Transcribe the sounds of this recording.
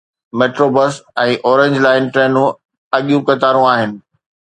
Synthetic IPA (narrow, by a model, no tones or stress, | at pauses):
meːʈɾobɐsɛ̃ːʔɔːɾẽɲd͡ʑlaːɪnʈɾɛːnũ | ɐɠijũkɐt̪aːɾũaːɦɪnɪ̆